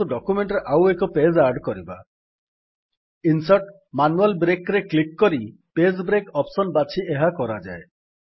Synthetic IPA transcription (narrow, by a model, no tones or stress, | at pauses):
uɖɔkumeɳʈɾeʔawekɔped͡ʒaɾɖkɔɾiba | insɔɾʈ | manualbɾekɾeklikːɔɾiped͡ʒbɾekɔpsɔnbat͡ʃʰieɦakɔɾad͡ʒae